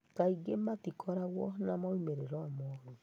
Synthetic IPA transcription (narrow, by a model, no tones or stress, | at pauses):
taiɡematikʰɔɾaɣwɔnamaumeɾeɾɔamɔɾu